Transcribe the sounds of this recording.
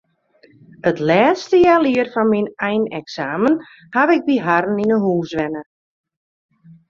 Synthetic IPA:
ətlɛːstəjaːliərfɔnminɛjnɛksaːmən | haʋɪk̚biɦaɾəninəɦuːsʋɛnə

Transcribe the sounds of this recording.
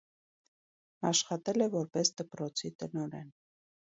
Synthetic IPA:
ɑʃχɑt̪ɛlɛvɔɾpɛsd̪̥əpɾɔt͡sʰit̪ənɔɾɛ̰n

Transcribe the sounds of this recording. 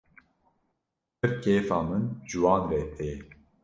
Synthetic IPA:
pɨɾkeːfɑːmɨnʒɨwɑːnɾeːt̪eː

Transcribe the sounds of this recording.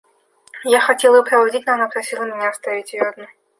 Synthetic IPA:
jaxɐtʲelˠəpɾəvɐdʲit̚ʲnoɐnapɾɐsʲilˠəmʲɪnʲaːst̪avʲɪtʲvʲord̪nə

